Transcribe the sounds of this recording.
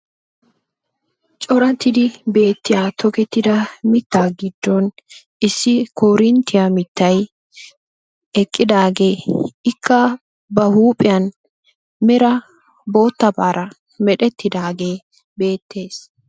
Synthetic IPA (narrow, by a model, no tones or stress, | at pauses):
t͡ʃʼɔɾɐt̪ɪd̪ɪbe̞ːt̪ːɪjaːt̪ʰɔkɛt̪ːɪd̪ɐmɪt̪ːaːɡɪd̪ːɔn | ʔɪsːɪkʰoːɾɪnt̪ːɪjamɪt̪ːɐj | ɛkʼːɪd̪aːɡe̞ːɪkʰːɐ | bɐhuːpʼːɪjɐn | mɛɾɐ | bo̞ːt̪ːɐbaːɾʔɐ | mɛɗɛt̪ːɪd̪aːɡe̞ː | be̞ːt̪ːe̞ːs